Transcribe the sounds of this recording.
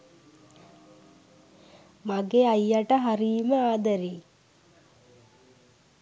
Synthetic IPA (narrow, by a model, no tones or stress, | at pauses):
maɡeajːaʈəɦaɾiːməaːd̪əɾiː